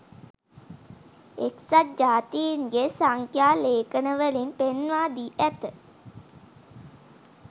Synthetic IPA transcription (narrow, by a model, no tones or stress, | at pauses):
eksat̪̚d͡ʒaːt̪ijiŋɡesaŋkʰjaːleːkənəʋəlinpenʋaːd̪iːʔæt̪ə